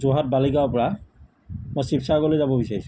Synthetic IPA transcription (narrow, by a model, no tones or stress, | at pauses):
zoɦat̚balikaɔpɔɹa | mɔjsipsaɡolojzabɔbisaɹisʊ̥